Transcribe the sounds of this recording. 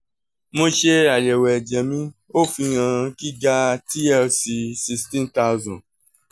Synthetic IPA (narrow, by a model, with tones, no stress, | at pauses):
mõ˧ʃe˦a˨jɛ˨wɛ˨d͡ʒɛ˨mĩ˧˦o˦fĩ˧ɣã˧ki˦ɡa˦ti˦ɛ˦˧si˧si˧stĩ˦nta˧zɔ̃˨